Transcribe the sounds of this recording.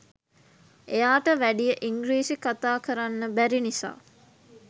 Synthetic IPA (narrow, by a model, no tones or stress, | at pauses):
ejaːʈəʋæɖijəʔiŋɡɾiːsikat̪aːkəɾanːəbæɾinisa̰ː